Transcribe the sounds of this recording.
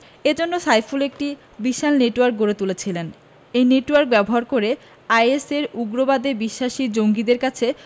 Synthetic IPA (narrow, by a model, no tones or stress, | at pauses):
ed͡ʑonːosajfulek̚ʈi | biʃalneʈwaɾk̚ɡoɾet̪ulet͡ɕʰilen | ejneʈwaɾk̚bɛboɦaɾkoɾe | ajeseɾuɡɾobad̪ebiʃːaʃid͡ʑoŋɡid̪eɾkat͡ɕʰe